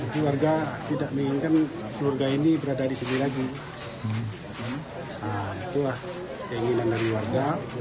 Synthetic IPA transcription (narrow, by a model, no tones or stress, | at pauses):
at̪iwarɡat̪idaʔmiiŋkan | kluarɡainibəɾadadisinilaɡi | ait̪ulah | daiŋinandaɾiwarɡa